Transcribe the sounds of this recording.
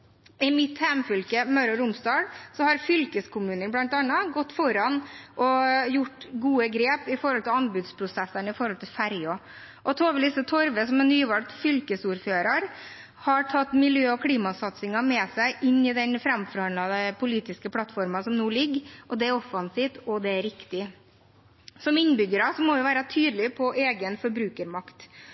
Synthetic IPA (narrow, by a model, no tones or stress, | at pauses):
ɪmɪt̪hæmfʏlkəmɑʉɾɔɾʊmsd̪ɑːɽsɔhɑɾfʏlkəskʰʊmʉːnənblɑnt̪ɑnːɑɡɔt̪ːfɔɾɑnʔɔjʊʈːɡuːəɡɾeːpɪfɔɾhɔlt̪ʰɪlɑnbʉd̪spʰɾʊsɛsːənɪfɔɾhɔlt̪ʰɪlfæɾjɔ | ʔɔt̪ʰoːʋəliːsət̪ʰɔɾʋəsɔmɛnːyːʋɑlt̪fʏlkəsuːɾføːɾɑɾ | hɑɾʈʰɑt̪ːmɪljøːɔkʰɽiːmɑsɑt̪sɪŋɑmɛsæɪʔɪnːɪd̪ɛnfɾɑmfɔɾhɑnlɑd̪əpʰʊliːt̪ɪskəpʰlɑt̪fɔɾmɑsɔmnuːlɪɡʔɔd̪ɛæɾɔfɑnsiːft̪ɔd̪ɛæɾɪkt̪ɪ | sɔmɪnːbʏɡəɾɑsɔmɔʋɪʊʋæːɾɑt̪ʰyːd̪lɪpʰɔʔeːɡənfɔɾbɾʉːkəɾmɑkt̪